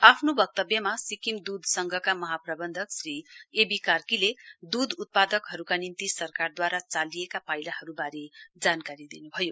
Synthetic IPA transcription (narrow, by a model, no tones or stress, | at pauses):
apʰnobʌk̚t̪ʌbjʌmasikimd̪ud̪ʱsʌŋɡʱʌkamʌɦaprʌbʌnd̪ʱʌksriebikarkiled̪ud̪ʱut̪̚pad̪ʌkɦʌɾukanint̪isʌrkard̪waɾat͡salijekapajlahʌɾubaɾed͡zankaɾid̪inubʱʌjo